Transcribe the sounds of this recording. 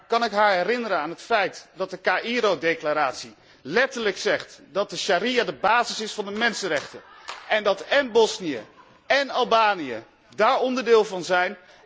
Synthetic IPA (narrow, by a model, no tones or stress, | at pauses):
kɑnɪkɦaːɹɦɛrɪnəɾənaːnɦətfɛjtdɑt̚dəkaːʔiɾodejklaːɾaːtsi | lɛtəɹləksɛχtdɑt̚dəʃaɾiadəbaːzɪsɪsfɑndəmɛnsənrɛχtəʔɛndɑtɛnbɔsnijə̰ | ɛnɑlˠbaːnijə̰ | daːɹɔndəɹdɪːlˠvɑnzɛjn